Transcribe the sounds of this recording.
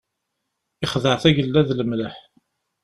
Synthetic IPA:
iχðəʕθæʝəlːæðləmləħ

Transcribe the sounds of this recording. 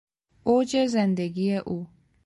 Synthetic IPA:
od͡ʒezend̪eɡijeʔuː

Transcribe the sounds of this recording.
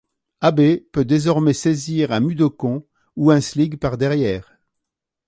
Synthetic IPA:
abepød̪ezɔʁmɛsɛziʁɛ̃myd̪okɔ̃ | uɛ̃sliɡpaʁd̪ɛʁjɛːʁ

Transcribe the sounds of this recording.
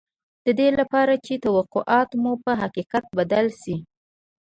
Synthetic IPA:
d̪̥əd̪elapɑɾat͡ʃet̪awaqoʔɑt̪mupəɦaqiqat̪̚bad̪alʃi

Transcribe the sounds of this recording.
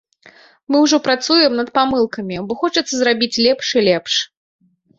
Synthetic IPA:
mɨwʐɔpɾat̪sujɛmnɐt̪pamɨlˠkɐmʲibɔxɔt͡ʂɐt̪sːɐzɾabʲit͡sʲlʲɛpʂilʲɛpʂ

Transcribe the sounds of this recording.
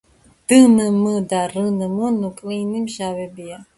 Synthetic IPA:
d̪̥ɨnɨmɨd̪arɨnɨmɨnukʼlinimʃawɛbija

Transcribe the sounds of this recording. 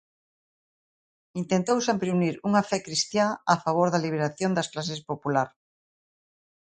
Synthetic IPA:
int̪ent̪owsampɾeuniɾuŋafɛkɾist̪jaːfaβ̞oɾðɐliβ̞eɾaθjond̪ɐsklas̬espopulaɾ

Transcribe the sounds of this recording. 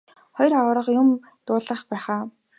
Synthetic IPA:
χɔjrawɾə̆qjʊm | t̪ʊːɮə̆χpæːχaː

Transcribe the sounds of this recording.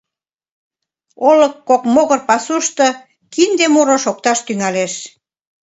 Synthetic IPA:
olə̆kːokmoɣə̆rpɑsuʃt̪ɤ̆ | kind̪emuɾoʃok̚t̪ɑʃt̪yŋæleʃ

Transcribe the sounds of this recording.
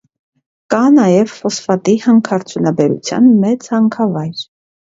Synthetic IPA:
kɑnɑjɛvfɔsfɑt̪ihɑŋkʰɑɾt͡sʰjunɑbɛɾṵt͡sʰjɑ̰nmɛt͡shɑŋkʰɑvɑjɾ

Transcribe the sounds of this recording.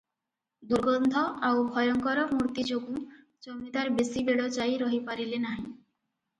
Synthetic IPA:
d̪uɾɡɔnd̪ʱɔʔawbʱɔjɔŋkɔɾɔmuɾt̪id͡ʒoɡu | d͡ʒomit̪aɾbesibeɭɔt͡ʃajɾɔɦipaɾilenaɦĩ

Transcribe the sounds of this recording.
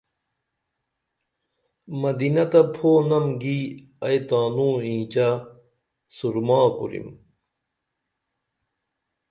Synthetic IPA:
mɐd̪inɐt̪ɐpʰoːnɐmɡi | ɐjt̪aːnũːĩːt͡ɕa | suɾmaːkṵɾḭm

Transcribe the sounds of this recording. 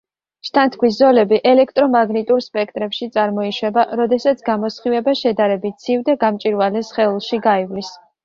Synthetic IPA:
ʃt̪ʰant̪ʰkʰwis̬zɔlɛbiʔɛlɛkʰt̪ʼɾɔmaɡnit̪ʼuɾspʼɛk̚ʰt̪ʼɾɛpʃit̪sʼaɾmɔiʃwɛbaɾɔd̪ɛsat̪sʰɡamɔsχivɛbaʃɛd̪aɾɛbit̪̚t̪sʰivd̪ɛɡamt͡ʃʼiɾvalɛsχɛulˠʃiɡaivlis

